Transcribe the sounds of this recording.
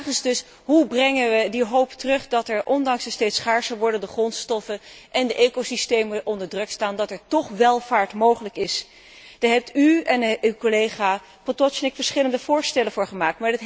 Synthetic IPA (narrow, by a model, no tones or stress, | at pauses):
χənzdɵs | ɦubrɛŋənʋədiɦowptərɵχdɑtɛɹʔɔndɑŋsəstejtsχaːɹsəʋɔɹdəndəχrɔntstɔfənʔɛndəʔeːkosistejməʔɔndəɹdrɵkstaːndɑtɛɹtɔχʋɛlˠv̥aːɹtmowχələkɪs | d̥aɦɛp̚tyɛnywkolejχaː | potɔʃnɪkfəɹsχɪləndəvʊːɹstɛlənvʊːɹχəmaːk̚tmaːɹdət